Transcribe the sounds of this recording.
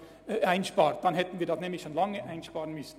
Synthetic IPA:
ʔaɪnʃpɑːɾt̚d̥ɑnɦɛtn̩viːɐdɑsnɛːmlɪçʃoːnlɑŋəʔaɪnʃpɑːʁənmʏsn̩

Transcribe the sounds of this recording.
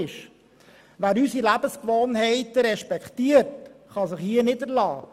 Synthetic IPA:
ɪʃ | ʋæːɾysilæbəskʋoːnɦɛɪtəɾɛʃpɛkχtiːəɾtχɑsɪχhiənɪdəɾlɑː

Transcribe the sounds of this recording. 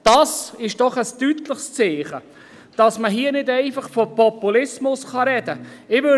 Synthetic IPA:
d̥ɑsɪʃd̥ɔχəstytlɪχst͡seːχə | d̥ɑsməɦiːənɪdæɪfɑχfɔpɔpulɪsmʊsχɑɾɛd̥əɪvø

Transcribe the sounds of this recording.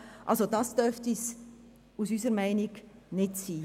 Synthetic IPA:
ʔɑ̰lsodɑsd̥œrftis | usysəɾmɛɪniɡnɪtsiː

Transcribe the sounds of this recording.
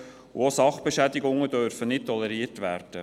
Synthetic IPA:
ṵosɑχb̥əʃæd̪ɪɡʊŋədøɾfənɪt̚tːɔlɛɾiːərtʋæːrd̥ə

